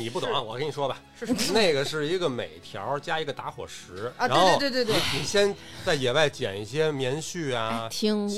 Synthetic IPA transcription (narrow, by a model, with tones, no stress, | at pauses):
ni˨˩p̬u˥˩t̪ʊ̰˨˩˦ŋa˧wɔ˨˩kə˧˥ni˨˩ʂwɔ˥bɐ˨˥ne˥˩ɪɡə˩ʂɻ̩˥˩i˧˥ɡə˧mḛ˨˩ɪt̪ʰjɑ̰˧˥t͡ɕja˥i˧˥ɡə˧t̪a˧˥xwɔ̰˨˩ʂɻ̩˧˥˧a˧˥n˧xo˧˥˧t̪t̪ni˨˩ɕjɛ˥n | t͡sa˥˩ɪjɛ˨˩wa˥˩ɪt͡ɕjɛ̰˨˩ni˥˩ɕjɛ˥mjɛ˧˥nɕy˥˩a˩i˧˥